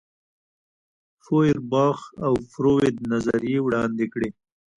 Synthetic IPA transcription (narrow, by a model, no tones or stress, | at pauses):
foɪɾbɑːxawfɾowed̪̚nazaɾijewɽɑnd̪ɪkɽe